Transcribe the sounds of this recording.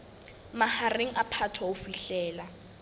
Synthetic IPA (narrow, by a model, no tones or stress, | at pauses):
mahareŋ̩ʔapʰatʰwaʊfiɬɛːla